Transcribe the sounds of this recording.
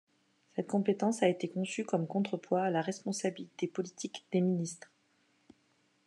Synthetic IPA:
sɛt̪̚kɔ̃pet̪ɑ̃saet̪ekɔ̃sykɔmkɔ̃t̪χəpwaːlaʁɛspɔ̃sabilit̪epɔlit̪ʰikd̪̥eminist̪χ

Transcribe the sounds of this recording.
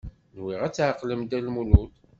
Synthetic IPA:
nwiʁæt͡sːʕaqːləmd̪ælmulut̪

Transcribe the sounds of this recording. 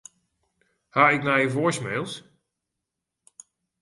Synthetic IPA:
haɪkmɛjəvoəsmeːlˠs

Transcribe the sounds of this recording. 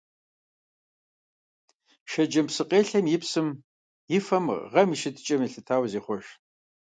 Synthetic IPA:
ʃɐd͡ʒɐmpsɨqʼeːɬɐmjɪpsɨm | jɪfɐmʁɐmiʃɪtʰʼt͡ʃʼɐmjiɬɨtʰaːwziːχʷɔʃ

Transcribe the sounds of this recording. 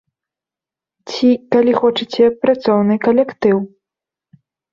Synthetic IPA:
t͡sʲikalʲixɔt͡ʂɨt͡sʲɛpɾat̪sɔwnɨkɐlʲɛkt̪ɨw

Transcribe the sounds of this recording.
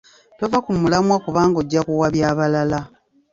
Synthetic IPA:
tovakumulamwakuβaːŋɡoɟːakuwaβjaːβalala

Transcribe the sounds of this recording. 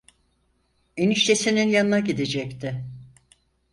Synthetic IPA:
eniʃt̪ʰesininjanɯnaɟid̪ed͡ʒɛct̪ʰɪ

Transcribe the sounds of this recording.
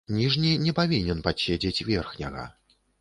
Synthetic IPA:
nʲiʐnʲinʲɛpavʲinʲɛnpaɕʲed͡zʲɛt͡sʲvʲɛrxnʲɐɣɐ̰

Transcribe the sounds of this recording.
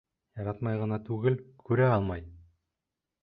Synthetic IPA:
jɑɾɑt̪mɑjʁɑnɑt̪ʰʉɡɘlkʰɵɾeɑlˠmɑj

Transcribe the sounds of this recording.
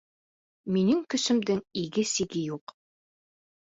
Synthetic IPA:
minɘŋkɵ̆sɘ̆md̪ɘŋiɡɘsiɡɘjuq

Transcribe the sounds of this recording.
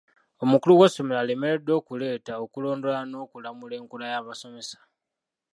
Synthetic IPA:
o̞mukuluwoso̞melale̞me̞ɾe̞dːo̞ːkule̞ːtaokulo̞ːndo̞lano̞ːkulamule̞ːŋkulajaβaso̞me̞sḁ

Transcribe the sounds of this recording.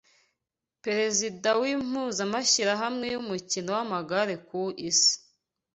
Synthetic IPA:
peɾe̞zidawim̥uːzamaʃiɾaɦamŋe̞jumucinowamaɡaɾe̞kuʔisi̥

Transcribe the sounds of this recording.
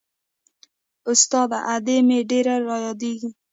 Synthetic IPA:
ʊst̪ɑd̪aʔad̪emeɖeɾaɾɑjɑd̪eɡi

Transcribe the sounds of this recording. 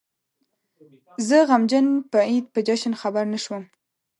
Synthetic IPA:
zəɣamd͡ʒanpəid̪̚pəd͡ʒaʃənxabaɾnaʃwəm

